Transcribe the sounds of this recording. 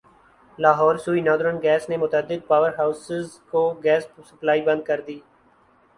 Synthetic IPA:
laːɦɔːɾsuːinɔːd̪ɾənɡɛːsnemʊt̪əd̪ɪd̪̚paːʋəɾɦaːʊsɪzkoɡɛːssəplaːibɐ̃nd̪̚kəɾd̪iː

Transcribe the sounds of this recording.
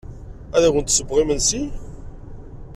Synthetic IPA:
æðækənt̪səbʁimənsi

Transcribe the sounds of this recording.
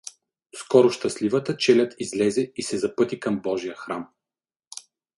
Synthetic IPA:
skɔɾʊʃt̪ɐslivət̪ət͡ʃɛlʲɐt̪izlɛzɛisɛzɐpɤt̪ikɐmbɔʒijəxɾam

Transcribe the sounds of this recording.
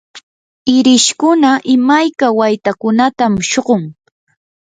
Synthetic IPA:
ɪɾɪʃkʊnaʔɪmajkawajt̪akʊnat̪amʃoɢoŋ

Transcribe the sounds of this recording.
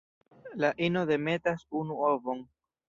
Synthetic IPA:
laʔino̞de̞me̞tasunuovo̞ŋ

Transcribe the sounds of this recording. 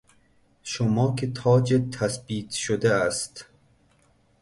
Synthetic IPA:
ʃomɒːkʰet̪ʰɒːd͡ʒet̪ʰæsbiːt̪ʃod̪eæst̪

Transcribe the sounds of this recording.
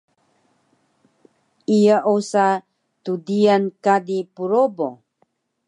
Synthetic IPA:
ijaʔosa | tudiankadipuɾobo

